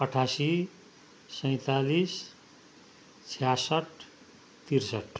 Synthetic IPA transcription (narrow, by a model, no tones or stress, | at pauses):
ʌʈʰasi | sʌj̃t̪alis | t͡sʰijasʌʈ | t̪irsʌʈ